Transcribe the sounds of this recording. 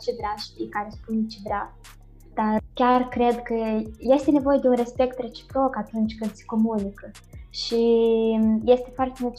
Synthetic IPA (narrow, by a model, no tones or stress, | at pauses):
t͡ʃevɾeaʃt̪ijkaɾespunt͡ʃevɾea | d̪̥arkʲarkɾe̞d̪kəje̞st̪ene̞vo̞je̞d̪e̞unre̞spe̞kt̪re̞t͡ʃi̥pɾo̞kat̪unt͡ʃʲkɨnd̪se̥ko̞munikə | ʃi | je̞st̪e̞foart̪emult̪